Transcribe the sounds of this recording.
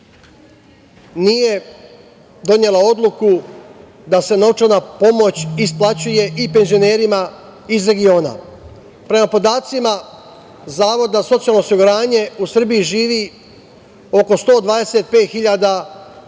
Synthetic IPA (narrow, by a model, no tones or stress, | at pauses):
nije | d̪o̞ɲe̞lao̞d̪lˠuku | d̪ase̞no̞t͡ʃaɾnapo̞mo̞t͡ɕisplˠat͡ɕuje̞ʔipe̞nzio̞ne̞ːɾima | izɾe̞ɡio̞ːna̰ | pɾe̞mapo̞d̪aːt̪sima | zaːʋo̞d̪aso̞t̪sialno̞osiɡuɾaːɲe̞usr̩biiʒiːʋi | o̞ko̞st̪o̞ːd̪ʋaːd̪e̞set̪̚pe̞ːt̪xiʎad̪a